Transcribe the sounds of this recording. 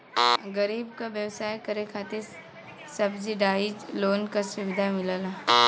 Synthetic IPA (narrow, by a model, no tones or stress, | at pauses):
ɡəɾiːbkaʋjɐʋsaːjkɐɾekʰaːt̪ɪɾ | sɐbd͡ʒiɖaːɪd͡ʒloːnkasʊʋɪd̪ʱamɪlaːla